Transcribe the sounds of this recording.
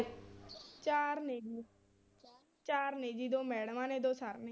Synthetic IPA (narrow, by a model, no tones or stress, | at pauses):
t͡ʃaːɾneːd͡ʒiː | t͡ʃaːɾneːd͡ʒiːd̪õːmɛːɽmãːneːd̪oːsaɾn